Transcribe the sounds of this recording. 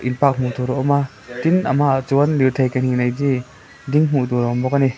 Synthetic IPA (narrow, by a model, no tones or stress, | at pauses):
ʔinpak̚m̥ut̪uɾɔʔɔma | t̪inʔamaʔt͡suənliwt̪ʰejkanhinajdi | diŋm̥ut̪uɾɔɔmbɔk̚ani